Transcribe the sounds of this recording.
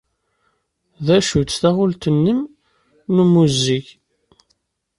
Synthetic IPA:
ðæʃut͡sːθæʁʊlt̪ənːəm | numuziç

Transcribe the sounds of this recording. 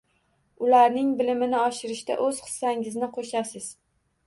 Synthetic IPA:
ʊlaɾnɪŋbɪlɪmɪnɪɒʃɪɾɪʃt̪a̰ʔɵz̥χɨ̥sːaŋɪznɪqʰoʃasɪz̥

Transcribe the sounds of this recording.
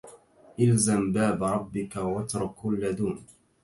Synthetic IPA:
ʔalzambaːbɾˤɑbːɪkawat̪ɾˤʊkʊlːad̪uːm

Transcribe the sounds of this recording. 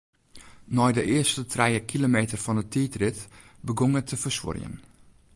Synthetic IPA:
nɔjdəʔɪərstətʰrɛjəkʰilomeːtərfɔnətʰiːtrɪtbəɡoŋətʰəfərswʊ̰rjə̰n

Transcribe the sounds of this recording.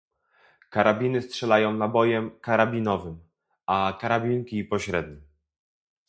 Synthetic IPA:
kaɾabʲinɘstʂɛlajɔ̃w̃nabɔjɛmkaɾabʲinɔvɘm | akaɾabʲiŋkʲipɔɕɾɛd̪̚ɲi

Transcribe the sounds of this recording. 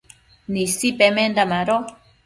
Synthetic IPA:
nisipemend̪amaɾo

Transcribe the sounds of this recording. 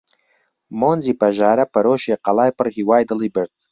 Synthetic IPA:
monzipʰaʒaːɾɐpʰɐɾoʃejqɑlajpʰɨrhiwajdɨlibərtʰʼ

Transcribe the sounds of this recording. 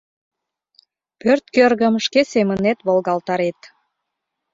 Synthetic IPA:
pørt̪kørɣə̆mʃkesemə̆net̪βolɣɑlt̪ɑɾet̪

